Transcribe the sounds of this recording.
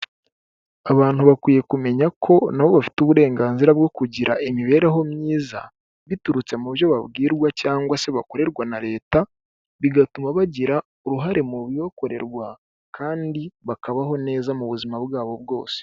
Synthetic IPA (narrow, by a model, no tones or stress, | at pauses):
aβaːn̥huβakwiːje̞kume̞ɲakʰo̞naβo̞βafi̥tuβuɾe̞ːŋɡaːnziɾabɡo̞kuɟiɾaʔimiβe̞ːɾeɦo̞mɲiːza̰ | βituɾut͡se̞muβjo̞βaβɡiːɾɡwacaːŋɡwase̞βako̞ɾe̞ɾɡwanaɾe̞ːta | βiɡatumaβaɟiɾa | uɾuɦaɾe̞muβioko̞ɾe̞̰ɾɡwa | kʰaːndiβakaβaɦo̞ne̞ːzamuβuzimaβɡaːβo̞bɡo̞ːse̥